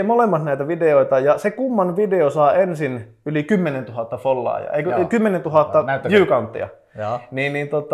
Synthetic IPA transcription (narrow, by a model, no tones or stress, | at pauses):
molemːɑsnæˑit̪æʋideoˑit̪ɑjɑsekumːɑnʋideosɑːensin | ylikymːenent̪uhɑt̪ːɑfolːɑ̰ːjɑ̰eˑikøkymːenent̪uhɑt̪ːɑjyːkɑunt̪ːḭɑ̰ | niːnniːnt̪ot̪ːˑ